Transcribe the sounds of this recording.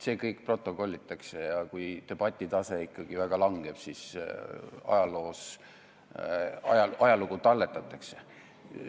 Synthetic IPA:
se̞ːkɤjkpro̞t̪ːˑo̞ko̞lʲːit̪ːˑɑksejɑkujt̪e̞b̥ɑt̪ʲːˑit̪ɑse̞ikːɑɡ̥ivæɡ̥ɑlɑŋɡ̥e̞b̥sis | ɑ̰jɑlo̞ːs | ɑjɑɑjɑlukut̪ɑlːe̞t̪ːˑɑt̪ːˑɑkse

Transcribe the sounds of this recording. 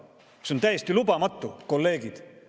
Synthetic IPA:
seo̞nt̪æjest̪ilubɑmɑt̪ːˑuko̞lːe̞ːɡid̪̥

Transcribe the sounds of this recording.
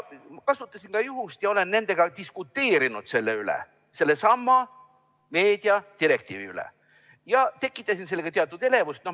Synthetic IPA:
mɑkɑsut̪ːˑɑsinkɑjuɦust̪jɑo̞le̞nːe̞nd̪̥e̞ɡ̥ɑt̪iskut̪ːe̞ːɾinud̪̥se̞lːeylḛ | se̞lːesɑmːɑ | me̞ːd̪̥iɑt̪iɾe̞k̚t̪ḭːvḭylḛ | jɑt̪e̞kːˑit̪ːˑɑsinse̞lːeɡɑt̪e̞ɑt̪ːˑud̪̥ele̞vust̪no

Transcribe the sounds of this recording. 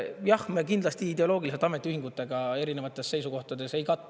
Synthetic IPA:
jɑhmekind̪lɑst̪iid̪e̞o̞lo̞ːɡiliset̪ɑme̞t̪ːˑiyhiŋɡ̥ut̪ːˑe̞ɡ̥ɑe̞ɾine̞vɑt̪ːˑe̞sːe̞jsuko̞ht̪ɑd̪e̞se̞jkɑt̪ˑː

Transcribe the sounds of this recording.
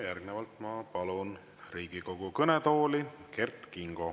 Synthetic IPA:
jærɡ̥nevɑlt̪ˑmɑpɑlun | riːɡ̥iko̞ɡ̥ukɤnet̪o̞ːlike̞rt̪kiŋɡ̥o̞

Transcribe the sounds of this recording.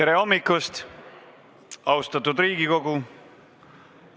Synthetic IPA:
eɾe̞o̞mːikːˑust̪ | ɑwst̪ɑt̪ud̪riːɡ̥iko̞ɡ̥u

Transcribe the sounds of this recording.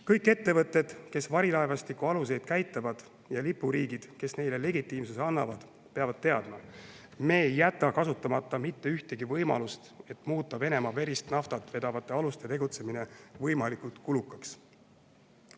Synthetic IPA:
kɤjkːˑe̞t̪ːe̞vɤt̪ˑːe̞d̪̥ke̞svɑɾilɑevɑst̪ikːuɑluse̞jd̪̥kæjt̪ˑːɑvɑd̪̥ | jɑlipːuɾiːɡid̪̥ke̞sne̞jle̞le̞ɡit̪ˑːiːmsuseɑnːɑvɑd̪̥ | pe̞ɑvɑd̥̪̚t̪e̞ɑd̪mɑ | me̞ːjːæt̪ːˑɑkɑsut̪ːˑɑmɑt̪ːˑɑmit̪ːe̞yht̪e̞ɡivɤjmɑ̰lust̪e̞t̪muːt̪ːˑɑve̞ne̞mɑve̞ɾist̪nɑft̪ɑt̪ːˑve̞d̪̥ɑvɑt̪ˑːe̞ɑlust̪e̞t̪e̞ɡut̪se̞mine̞vɤjmɑlikult̪kulukːˑɑks

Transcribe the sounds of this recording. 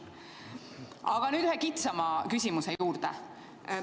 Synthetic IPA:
ʔɑɡ̥ɑnyːd̪yhekit̪sɑmɑkysʲimuse̞juːɾd̪̥ḛ

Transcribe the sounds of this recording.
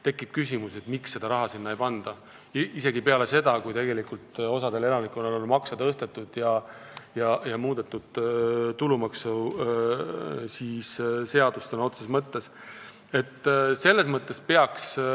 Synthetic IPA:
t̪e̞kːˑib̥̚kysʲimuset̪miksːe̞d̪ɑɾɑɦɑsinːɑejpɑnd̪̥ɑ | ise̞ɡipeɑle̞se̞d̪̥ɑkujt̪e̞ɡe̞likult̪o̞sɑd̪e̞le̞lɑnikˑonololmɑksɑt̪ɤst̪et̪ˑːud̪̥jɑjɑjɑmuːd̪̥et̪ːud̪̥t̪ulumɑksu | sisse̞ɑd̪̥ust̪enɑo̞t̪sesmɤt̪ːe̞s | e̞t̪ːse̞lːesmɤt̪ˑːe̞spe̞ɑks

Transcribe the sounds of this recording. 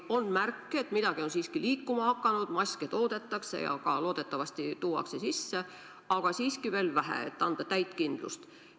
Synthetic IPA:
o̞nːmærkːeet̪mid̪̥ɑɡ̥io̞nsiːskiliːkːumɑhɑkːˑɑnud̪̥mɑsʲket̪o̞ːd̪̥e̞t̪ːˑɑkse̞̰jɑ̰kɑlo̞ːd̪̥e̞t̪ːˑɑvɑsʲt̪it̪uːwɑ̰kse̞sisːe | ɑɡ̥ɑsiːskive̞ːlvæɦḛḛt̪ːˑɑnd̪̥ɑt̪æjt̪ˑkind̪̥lṵst̪

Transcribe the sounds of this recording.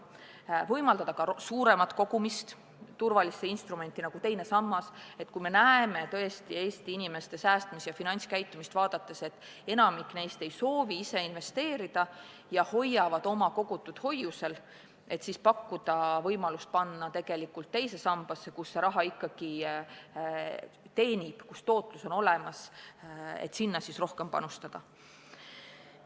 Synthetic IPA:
vɤjmɑld̪ɑd̪ɑkɑsuːɾe̞mɑt̪ko̞ɡ̥umist̪ | t̪urvɑliseinst̪rume̞nt̪ːˑinɑɡ̥ut̪e̞jne̞sɑmːɑse̞t̪ːˑkujme̞næeme̞t̪ɤest̪ie̞ːst̪iinʲime̞st̪e̞sæːst̪misjɑfinɑnʲt̪ʲskæjt̪ːˑumist̪vɑːd̪̥ɑt̪ːe̞se̞t̪ːˑ | e̞nɑmikːˑne̞jst̪e̞jso̞ːviise̞inve̞st̪e̞ːɾid̪̥ɑ | jɑho̞jːɑvɑd̪o̞mɑko̞ɡ̥ut̪ːˑud̪̥ho̞juse̞l | e̞t̪sispɑkːud̪̥ɑvɤjmɑlust̪̚pɑnːɑt̪e̞ɡ̥e̞likːˑult̪ːe̞jsesɑmb̥ɑsːe̞kusːeɾɑɦɑikˑːɑɡ̥i | t̪e̞ːnʲib̥kust̪o̞ːt̪ˑluso̞no̞lemɑs | ḛt̪sinːɑsisro̞hke̞mpɑ̰nust̪ɑd̪̥ɑ

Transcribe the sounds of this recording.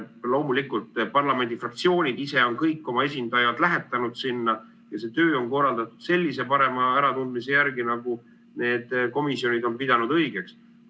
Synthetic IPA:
lo̞wmulikult̪ˑpɑrlɑme̞nd̪̥ifrɑk̚t̪sio̞ːnʲid̪̥ise̞o̞nkɤjkˑːo̞mɑe̞sind̪̥ɑjɑd̪̥læɦet̪ːˑɑnud̪̥sinːɑ | jɑse̞t̪ø̞ːo̞nko̞rːɑld̪̥ɑt̪ːˑud̪̥se̞lʲːise̞pɑɾe̞mɑæɾɑt̪und̪̚mise̞jæɾɡ̥inɑɡ̥u | ne̞ːd̪̥ko̞misjo̞nʲid̪o̞npid̪ɑnud̪ɤ̞jɡ̥e̞ks

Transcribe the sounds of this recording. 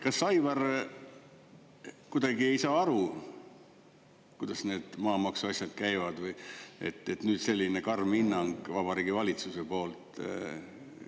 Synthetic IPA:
kɑsːɑjvɑr | kud̪ɑɡie̞jsɑːɑɾu | kujd̪̥ɑsne̞ːd̪̥mɑːmɑksuɑsʲjɑt̪̚kæjvɑd̪̥vɯjḛt̪ːe̞t̪nyːd̪̥se̞lʲːinekɑrminːɑŋɡ̥vɑb̥ɑɾiːɡivɑlʲit̪susepo̞ːlt̪ˑ

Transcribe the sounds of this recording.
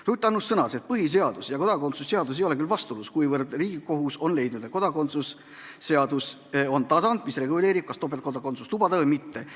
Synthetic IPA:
rut̪ˑːɑnːusːɤnɑset̪̚pɤɦis̬e̞ɑd̪̥usjɑko̞d̪̥ɑko̞nt̪susːe̞ɑd̪us̬ejo̞le̞kylvɑst̪uluskujvɤrd̪riːɡ̥iko̞ɦuso̞nle̞jd̪nud̪̥eko̞d̪̥ɑko̞nt̪sus | se̞ɑd̪uso̞nt̪ɑsɑnd̪̥misre̞ɡule̞ːɾib̥̚kɑst̪op̬et̪ko̞d̪ɑko̞nt̪su̥st̪ubɑd̪̥ɑvɤjmit̪ːe̞

